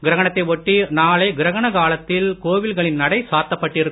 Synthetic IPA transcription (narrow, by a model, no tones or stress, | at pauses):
ɡɪɾɐɣɐɳɐt̪ːɐɪʋɔʈːinaːlɐɪɡɪɾɐɣɐɳɐkaːlɐt̪ːɪlkoːʋɪlɣɐɭɪnːɐɽɐɪsaːt̪ːɐpːɐʈːɪɾɯkː